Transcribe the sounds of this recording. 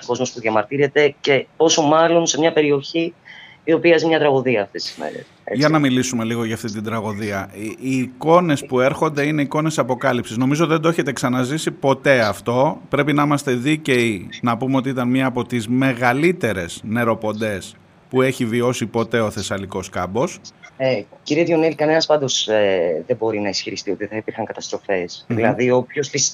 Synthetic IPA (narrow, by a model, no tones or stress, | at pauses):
ko̞zmo̞spuðʝɐmɐɾt̪iɾe̞t̪e̞ce̞o̞somɐlo̞nse̞mɲɐpe̞ɾio̞çi | io̞piɐzimɲɐt̪ɾɐɣuðiɐːft̪e̞st̪i̥zmḛɾḛsʝɐnɐmilisume̞liɣo̞ʝɐːft̪it̪ind̪ɾɐɣoðiɐiːko̞ne̞spue̞ɾxo̞nd̪e̞ine̞iko̞ne̞sɐpo̞kɐlipsizno̞mizot̪iðd̪oeçet̪e̞ksɐnɐzisipo̞t̪e̞ɐft̪o̞pɾe̞pinɐimɐst̪e̞ðice̞inɐpumeo̞t̪iit̪ɐnmiɐːpo̞t̪izme̞ɣɐlit̪e̞ɾe̞z̥ne̞ɾo̞po̞nd̪e̞s | pue̞çivio̞sipo̞t̪e̞o̞θe̞sɐliko̞skɐbo̞seciɾiet̪ʝonilkɐne̞nɐspɐnd̪o̞seðebo̞ɾinɐisçiɾist̪io̞t̪iθɐipiɾxɐŋkɐt̪ɐst̪ɾo̞fe̞sðilɐðiopçosθis